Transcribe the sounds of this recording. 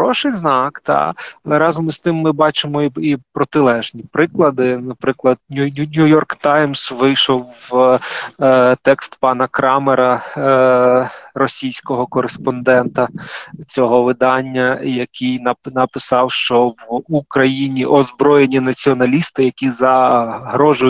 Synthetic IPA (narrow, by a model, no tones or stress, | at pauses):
ɔʃɪjznɑkt̪ɑ̰lˠɛɾɑzɔmist̪ɪmːɪbɑt͡ʃɪmɔiipɾɔt̪ɪlˠɛʒnʲipɾɪklˠɐd̪ɪnɐpɾɪklˠɐd̪̚nʲunʲujɔrkt̪ɑjmsʋɪjʃɔw | t̪ɛkst̪pɑnɐkɾɑmeɾɐ | rɔsʲijsʲkɔɦɔkɔɾespɔnd̪ɛnt̪ɐt͡sʲɔɦɔʋɪd̪ɑnʲːɐjɐkɪjnɐnɐpɪsɑwʃt͡ʃɔʋukɾɐjinʲiʔɔzbɾɔjenʲinɐt͡sʲiɔnɐlʲist̪ɪjɐkʲizɐɦɾɔʒʊj